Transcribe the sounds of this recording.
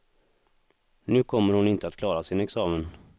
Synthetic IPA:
nʉ̟ːkʰɔmːəɾhʊnɪnt̪əat̪kʰlɑːɾasɪnɛksɑːmən

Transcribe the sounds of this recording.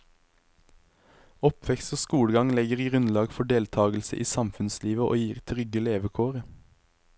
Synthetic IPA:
ɔpʰʋɛkst̪oːskuːɽɡɑŋlɛɡəʁɡʁʉnlɑːɡfɔɖeːlt̪ʰɑːɡl̩sə̰ʔiːsɑmfʉnsliːʋəʔo̰ːjiːʁt̪ʰʁʏɡəleːʋəkʰoːʁə

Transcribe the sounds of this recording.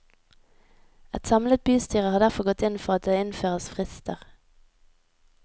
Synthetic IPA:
ɛt̪sɑmlət̪̚byːst̪ʰyːʁəʁhɑːd̪æʁfɔʁɡɔt̪ɪnfɔʁɑt̪̚d̪eːɪnføːʁəsfʁɪst̪ʰəʁ

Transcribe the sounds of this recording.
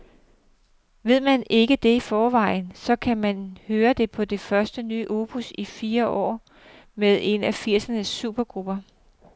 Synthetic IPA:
ʋe̝ð̞̰ˠmæne̝ɡ̥əd̥e̝ifɒːʋɑ̈ɪn̩sɒ̽kʰæmænhøːɐd̥e̝pʰɒ̽d̥e̝fɶɐsd̥əny̰ːʔo̝ːb̥ʰusifiːɐʔɒ̰ː | meðˠe̝næfiɐ̰sənəsːṵːb̥ɐɡ̥ʁub̥ɐ

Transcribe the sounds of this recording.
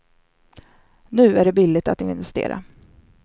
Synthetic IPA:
nʉ̟ːæɖɛbɪlːɪt̪at̪̚ːɪɪnvɛst̪ḛːɾa̰

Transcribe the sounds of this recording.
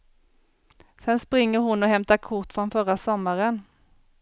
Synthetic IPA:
sɛnspɾɪŋːəɾhʊnɔɦɛmt̪akʰʊʈːfɾɔnfœɾasɔmːaɾən

